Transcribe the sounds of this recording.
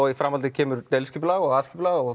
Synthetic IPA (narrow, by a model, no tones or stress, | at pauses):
ɔɣifɾamalt̪ɪcʰɛːmʏɾt̪ɛlscɪplaːɣɔɣaːðsciplaːɣɔɣ